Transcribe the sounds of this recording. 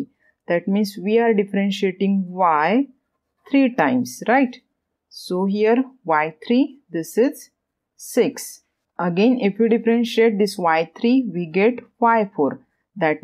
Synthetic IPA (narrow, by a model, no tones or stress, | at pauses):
d̪ɛʈmĩːnsʋiaɾɖifəɾẽnʃieʈĩŋɡʋaj | t̪ʰɾiːʈãɪ̃msɾaɪʈ | soɦijəɾʋaɪt̪ʰɾid̪ɪsizː | iks | əɡẽnifjuːɖifɾẽnʃieʈ̚d̪isʋaɪt̪ʰɾiːʋiːɡeʈʋaɪfoːɾ | d̪ɛʈ